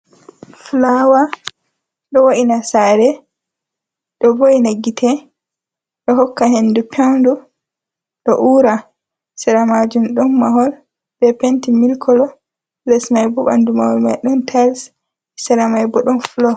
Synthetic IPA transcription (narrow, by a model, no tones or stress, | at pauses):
flawa | ɗɔwaʔinasaɾɛ | ɗɔbojnaɡːitʰɛ | ɗɔɦɔkːahenːdupɛwndu | ɗɔ̰ʔuɾa | sɛɾamad͡ʒumɗɔnːaɦɔl | bɛpentimilkʰɔlɔ | lɛsmajbɔba̰ndumahɔlmajɗɔntʰaɾs | sɛɾamajbɔɗɔnflɔ